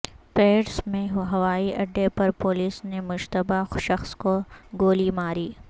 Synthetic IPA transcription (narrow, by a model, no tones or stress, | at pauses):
peːɽsmẽɦɐʋaːiʔɐɖːepɐɾpoːliːsnemʊʃt̪əbaʃɐxskoɡoːlimaːɾiː